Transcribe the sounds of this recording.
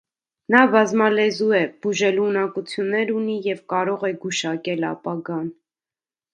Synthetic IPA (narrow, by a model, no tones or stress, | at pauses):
nɑvɑzmɑlɛzuɛb̥uʒɛlunɑkut͡sʰjunːɛɾunijɛvkɑɾɔʁɛɡuʃɑkɛlɑ̰pɑɡɑn